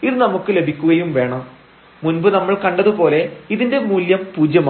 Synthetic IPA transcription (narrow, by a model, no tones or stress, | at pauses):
iðɨnɐmukːɨle̞bʱikʲːuɣɐjumʋe̞ːɳɐmː | unbɨnɐmːɐɭkɐɳɖɐðupo̞ːle̞iðinde̞muːljɐmpuːd͡ʑjɐma